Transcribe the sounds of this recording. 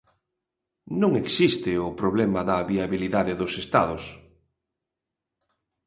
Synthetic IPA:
nõŋeksist̪ɪʊpɾoβlɛmɐðɐβiaβiliðaðɪðʊsest̪aðʊs

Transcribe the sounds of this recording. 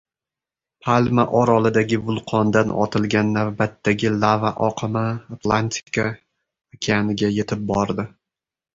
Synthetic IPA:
pʰalmaʔɒɾɒlˠɪd̪aɡʲɪvʊlˠqʰɒnd̪anɒ̰t̪ʰɪlɡʲanːavbat̪ːaɡʲɪlˠavaʔɒqʰɨmaːt̪lˠanʲt̪ʰi̥kʰa | kʲʰeanɪɡʲaje̞t̪ʰɪp̚bɒɾd̪ɪ

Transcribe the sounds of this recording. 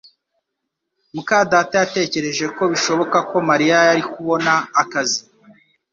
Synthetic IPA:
mukadaːtajate̞ːce̞ɾe̞ʒe̞ko̞βiʃo̞βo̞kako̞maɾijajaɾikuβo̞naːkazi

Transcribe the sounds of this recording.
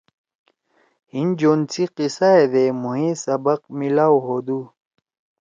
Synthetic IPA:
hind͡ʑoːnt͡siqisaed̪emuɦĩsɐbɐq̚milaːwɦod̪u

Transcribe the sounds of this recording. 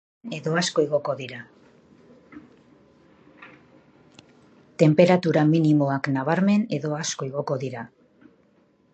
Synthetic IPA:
e̞ðo̞asko̞eɣo̞ko̞ðiɾa | t̪e̞mpe̞ɾat̪uɾaminimo̞aknaβ̞aɾme̞neðo̞asko̞eɣ̞o̞ko̞ðiɾa

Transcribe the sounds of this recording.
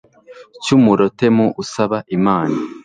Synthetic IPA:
cumuɾo̞te̞muʔusaβaʔimaːna

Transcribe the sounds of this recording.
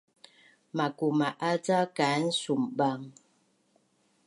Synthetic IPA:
makumaʔat͡sakan̩sumbaŋ

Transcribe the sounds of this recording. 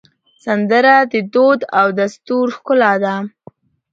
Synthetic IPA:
sand̪əɾad̪əd̪od̪awd̪ast̪uɾxkʊlad̪a

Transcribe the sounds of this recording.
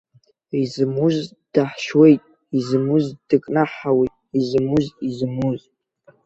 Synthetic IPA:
izmuz | d̥aħʃwe̞jtʼ | izmuzd̥ɨkʼnaħawejtʼizmuzizmuz

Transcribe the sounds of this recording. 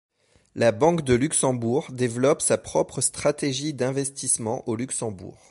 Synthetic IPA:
labɑ̃kd̪əlyksɑ̃buʁd̪evlɔpsapχɔpχəst̪χat̪eʒid̪ɛ̃vɛst̪ismɑ̃ʔolyksɑ̃bṵːʁ

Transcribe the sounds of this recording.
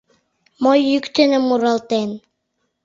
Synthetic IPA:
mojːykt̪ənə̆mːuɾɑlt̪en

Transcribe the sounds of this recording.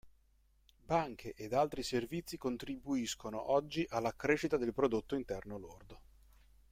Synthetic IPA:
baŋkʰeʔed̪alt̪ɾiservit̪sːikont̪ɾibuiskonoʔɔd͡ʒːiʔalːakɾeːʃit̪ad̪elpɾod̪ot̪ːoint̪ɛrnolord̪o

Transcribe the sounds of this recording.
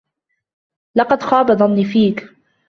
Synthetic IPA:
lɑqɑd̪xɑːbɑd̪ˤɑniːfiːk

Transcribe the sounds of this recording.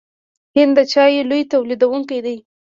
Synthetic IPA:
hɪnd̪d̪ət͡ʃɑjelojt̪awlid̪awuŋkajd̪aj

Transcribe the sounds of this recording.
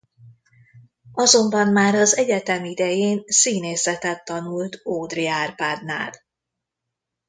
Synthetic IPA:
ɒzo̞mbɒmmaːɾɒzɛɟɛt̪ɛmid̪ɛjeːnsiːneːsɛt̪ɛt̪ːɒnult̪oːd̪riaːrpaːd̪na̰ːl

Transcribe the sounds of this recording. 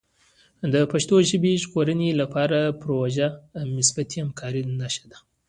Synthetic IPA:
d̪əpaʃt̪oʒəbeʒɣoɾənelapɑɾapɾoʒanɪsbat̪ihamkʰɑɾinaʃḁd̪a

